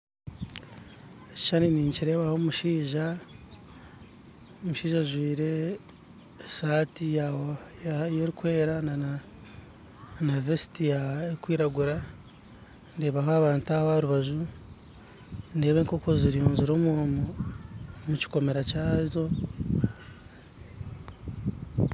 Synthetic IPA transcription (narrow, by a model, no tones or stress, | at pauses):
eci̥ʃaniniːɲciɾe̞ːβaho̞muʃiːʒa | omuʃiːʒaʒwiːɾe̞ | saːtija | jeɾikwe̞ːɾana | navesi̥tijaekwiːɾaɡuɾa | ndeːβaɦoaβaːntuaaɾuβaʒu | ne̞ːβeːŋko̞ko̞ziɾijuːɲziɾo̞ːmumo | muci̥ko̞me̞ɾacaːzo̞